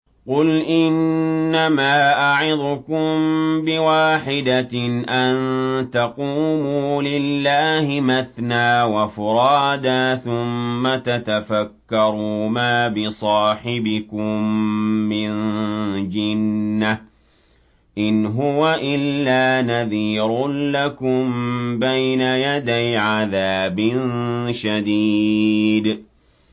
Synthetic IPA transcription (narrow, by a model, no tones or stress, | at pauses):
qʊlʔɪnːamaːʔaʕɪd̪ˤʊkʊmmbɪwaːħɪd̪aʔant̪ɑquːmuːlɪlːaːhɪmaθnaːwafʊɾɑːd̪aːθʊmːat̪at̪afakːɑɾˤuːmaːbɪsˤɑːħɪbɪkʊmːɪnd͡ʒɪnːa | ʔɪnɦʊwaʔɪlːaːnaðiːɾʊnlakʊmbajnajad̪ajʕaðaːbɪnʃad̪iːd̪